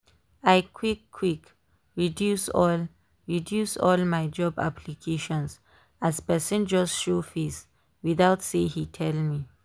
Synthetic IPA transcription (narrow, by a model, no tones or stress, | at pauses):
ajkʰwikʰːwik | ɹidjusɔl | ɹidjusɔlmajd͡ʒɔba̰plikʰeʃɔ̃ns | azpɛsə̃nd͡ʒɔsʃofis | wid̪aʊtsehitʰɛlmi